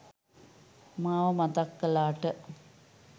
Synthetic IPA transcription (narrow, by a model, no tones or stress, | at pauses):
maːʋəmat̪akːɐlaːʈə